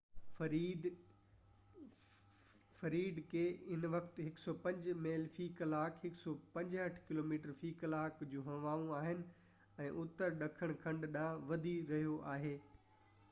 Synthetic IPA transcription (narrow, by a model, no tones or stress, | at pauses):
fɐɾiːɖ̪kʰeːɪnʋɐkʰt̪ɦɪksɔpɐ̃ɲd͡ʑmeːlfiːkɐlaːkʰɦɪksɔpɐ̃ɲd͡ʑɐʈʰkɪloːmiːʈəɾfiːkɐlaːkd͡ʑũːɦɐ̃ʋaːʋũaːɦɪnɪ̆ | ɛ̃ːʔʊt̪əɾɗɐkʰəɽ̃kʰɐ̃ɳɖɗãːʋɐd̪ʱiɾɐɦijoʔaːɦeː